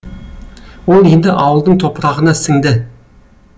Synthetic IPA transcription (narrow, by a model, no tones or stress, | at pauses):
wo̞lˠe̞nd̪ɪʔɑwəlˠd̪əɴt̪ʰo̞pɾɑʁənɑsɪŋd̪ɪ